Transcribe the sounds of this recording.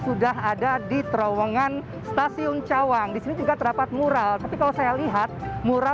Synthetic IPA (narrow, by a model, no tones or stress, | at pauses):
sudaɦadadit̪ɾowəŋan | st̪asiunt͡ʃawaŋdisinid͡ʒuɡat̪ərdapat̪̚muɾalt̪apikalosajaliɦat̪̚muɾa